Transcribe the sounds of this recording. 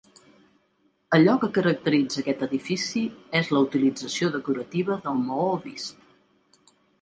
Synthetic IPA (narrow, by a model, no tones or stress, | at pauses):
əʎɔkəkəɾək̚t̪əɾid͡zəkɛt̪əðifisiezləut̪ilid͡zəsioðəkuɾət̪iβəðəlˠmooβist̪